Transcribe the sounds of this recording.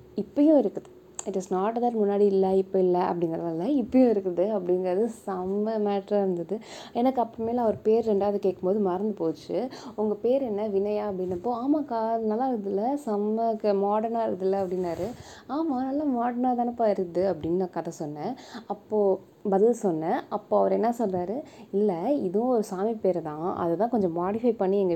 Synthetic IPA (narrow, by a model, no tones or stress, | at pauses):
ɪpːɐjʊ̃ɪɾɯkːɐðɯ | ɪʈɪsnaːʈɐðɐɾmʊnːaːɽiɪlːɐɪpːoɪlːɐʔɐ̰pːɐɽɪŋɡɾɐðaːɪlːɐɪpːɐjʊ̃ːɪɾɯkːɐðɯɐpːɐɽɪnɡɐɾɐðɯsɐmɐmaːʈɾãɪɾɯnd̪ɐðɯ | ɛnɐkːɯɐpːɐmeːlɐʋɔɾɯpeːɾɾɛɳɖaːʋðɯkeːʈkːɯmboːðɯmɐɾɐnd̪ɯpoːt͡ʃːɯʊŋɡɐpeːɾɛnːɐʋɪnɐjaːɐpːɐɽɪnːɐpːoːaːmaːkaːðɯnaːlːãːɪɾðɪlːɐsɐmːɐkːɯmaːɽɐɾnaːɪɾɐðɪlːɐɐpːɐɽɪnːaːɾɯ | aːmaːnaːlːãmaːɽɐɾnaːt̪aːnɯpːɐɪɾɯd̪ɯɐpːɐɽɪnːɐkɐðɐsɔnːɐɐpːoː | bɐðɪlsɔnːɐʔɐpːoːɐʋɐɾɛnːɐsɔlraːɾɯɪlːɐɪðɯ̃ɔɾɯsaːmipeːɾt̪ãːɐ̰ðɐt̪ãːkɔɲd͡ʒɔ̃maːɽɪfɐɪpɐɳːiɛŋɡɐ